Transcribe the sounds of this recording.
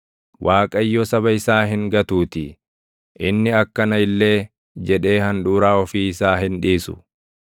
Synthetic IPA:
wʔaːkʼɐjːɔsɐbɐɪsaːɦɪŋɡɐt̪uːt̪ɪ | ʔɪnːɪɐkːɐnɐɪlːe̞ː | d͡ʒɛᶑe̞ːhɐnᶑ̪uːɾaːɔfiːɪsaːɦɪnᶑiːsʊ̰

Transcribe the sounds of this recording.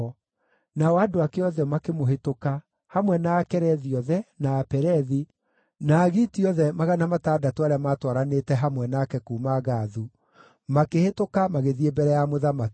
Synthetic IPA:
naɔadoakeɔðɛmakemoɦetoka | hamwɛnaːkɛɾɛðiɔðɛnaːpɛɾɛði | naɣitiɔðɛmaɣanamataːdatoaɾeamaːtwaɾanetɛɦamwɛnakɛkuːmaɣaːðu | makehetokamaɣeðiebɛɾɛjamoðamaki

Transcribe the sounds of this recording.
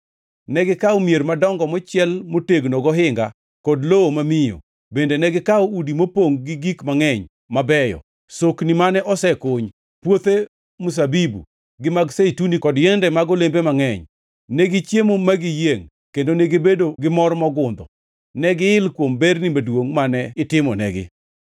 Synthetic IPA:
nɛɡɪkaɔmjermadɔŋɡɔmɔt͡ʃɪjɛlmoteɡnoɡɔɦɪŋɡa | kɔdloomamɪjo̰ | bendenɛɡɪkawudimopoŋɡɪɡikmaŋɛɲ | mabɛjɔ̰ | soknimanɛʔɔsɛkoɲ | pwot̪e | mus̬abibṵ | ɡɪmaɡseitunikɔdjɛndɛmaɡɔlembemaŋɛɲ | nɛɡɪt͡ʃjemomaɡɪjeŋ | kendoneɡebedoɡɪmɔrmɔɡʊnd̪ɔ | nɛɡɪɪlkwombeɾnimadwoŋmanɛɪtɪmɔ̰nɛ̰ɡɪ̰

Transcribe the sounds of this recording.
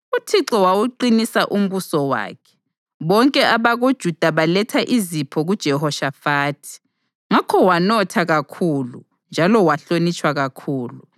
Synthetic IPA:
utʰiǁɔwawuǃinisaʔum̩βusɔwa̰ːkʰɛ̥ | βɔŋkʼɛaβaɣod̥ʒ̥ʱud̥ʱaβalɛtʰaʔizipʰɔɣud̥ʒ̥ʱɛhɔʃafaːtʰi̥ | ŋakʰɔwanɔtʰaɣakʰuːlṵ | nd͡ʒʱalɔwaɬonit͡ʃʼwaɣakʰuːlu

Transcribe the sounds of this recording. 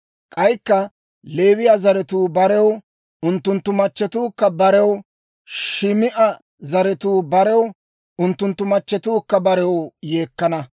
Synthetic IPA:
kʼɐjkːɐ | leːwɪjazɐɾɛt̪uːbɐɾɛw | ʊnt̪ːʊnt̪ːʊmɐt͡ʃːɛt̪uːkːɐbɐɾɛw | ʃɪmɪʔɐ | zɐɾɛt̪uːbɐɾɛw | ʊnt̪ːʊnt̪ːʊmɐt͡ʃːɛt̪uːkːɐbɐɾɛwjeːkːɐnɐ

